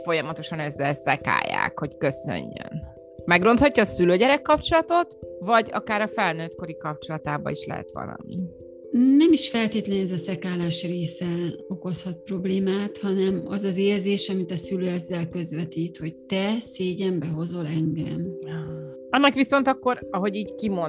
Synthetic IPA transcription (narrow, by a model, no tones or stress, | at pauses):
fo̞jɒmɒt̪o̞ʃɒnɛzːɛlsɛka̰ːja̰ːkho̞ckø̞sø̰ɲːø̰n | mɛɡro̞nt̪hɒcːɒːsyløːɟɛɾɛkːɒp̚t͡ʃo̞lɒt̪o̞t̪vɒɟɒ̰kaːɾɒfɛlnøːt̪ko̞ɾikɒp̚t͡ʃo̞lɒt̪aːbɒ̰iʃlɛ̰ɦɛ̰t̪ʋɒ̰lɒ̰mi | nɛmiʃfɛlt̪eːt̪lɛnɛzɒsɛkaːlaːʃreːsɛo̞ko̞shɒt̪̚pro̞bleːmaːt̪hɒnɛmɒzɒzeːrzeːʃɒmit̪ɒsyløːɛzːɛlkø̞zʋɛt̪iːt̪ho̞c̚t̪ɛseːɟɛmbɛɦo̞zo̞lɛŋɡɛm | ɒnːɒkʋiso̞nt̪ɒkːo̞ɾɒɦo̞ɟiːɟkimo